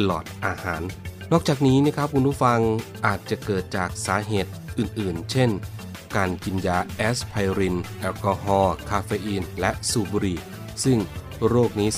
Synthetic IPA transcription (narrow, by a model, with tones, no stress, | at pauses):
lɔ̰ː˨˩t̪̚ʔaː˧haː˩˦nː | ɔː˥˩k̚t͡ɕaː˨˩k̚niː˦˥niː˥˩˨kʰɾp̚kʰu˧npʰuː˦˥˩fa˧ŋʔaː˨˩t̪̚t͡ɕa˨˩kɤː˨˩t̪̚t͡ɕaː˨˩k̚saː˩˦ɦeː˨˩t̪̚ʔɯː˨˩nʔɯː˨˩nt͡ɕʰe˥˩n | kaː˧nki˧njaː˧ʔɛː˦˥spʰa˧jɾi˧nʔɛː˧wkɔː˧ɦɔː˧kʰaː˧feː˧ʔiː˧nlɛ˦˥suː˧˩buː˧ɾiː˧˩ | sɯ˥˩ŋ | ɾoː˥˩k̚niː˦˥